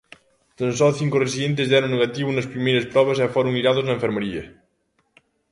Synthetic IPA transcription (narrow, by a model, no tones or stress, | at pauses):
t̪ansɔθiŋkoresiðent̪̬ezðɛɾoŋneɣat̪iβunɐspɾimejɾespɾɔβ̞asafoɾoŋiɾaðoznaeɱfeɾmeɾiɐ